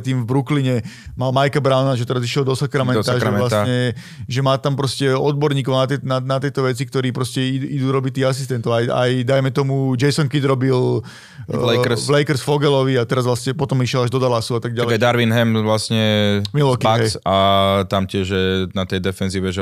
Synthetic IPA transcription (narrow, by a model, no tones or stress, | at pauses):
t̪iːmvbɾukliɲɛmalmajkabɾaʊnaʒɛt̪ɛɾaziʃɪɛlˠd̪ɔsakɾamɛnsaʒɛɛlaaɲɛ | ʒɛmaːt̪ampɾɔscɛɔd̪̚bɔɾɲiːk̬ɔʊnat̪nanat̪ɪɛt̪ɔʋɛt͡sik̚t̪ɔɾiːpɾɔscɛiid̪uːɾɔbict̪ːiːɦasist̪ɛnt̪ɔʊaja̰jd̪ajmɛt̪ɔmud͡ʒɛjsɔŋkid̪ɾɔbil | lɛvlɛjkɛɾsfɔɡɛlɔʋiat̪ɛɾazʋlasɲɛpɔt̪ɔmiʃɪɛlaʒd̪ɔd̪alasuat̪aɡ̚ɟalɛɛd̪aɾʋinɦɛmʋlasɲɛmilɔkiaɦɛsat̪amcɪɛʒjɛnat̪ɛjd̪ɛfɛnziːʋɛʒɛ